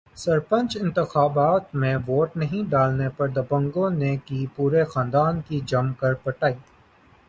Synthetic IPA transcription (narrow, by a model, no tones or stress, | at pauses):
sɐɾpə̃nt͡ʃɪ̃nt̪ɪxaːbaːt̪mẽʋoːʈnɐɦĩɖaːlnepɐɾd̪ɐbə̃ŋɡõnekipuːɾexãːnd̪aːnkid͡ʒɐmkɐɾpɐʈaːiː